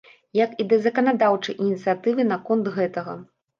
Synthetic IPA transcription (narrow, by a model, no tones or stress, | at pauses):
jɐkid̪ɐzɐkɐnad̪awt͡ʂɐjʔinʲit̪sɨjat̪ɨvɨnɐkɔnt̪ɣɛt̪ɐɣɐ̰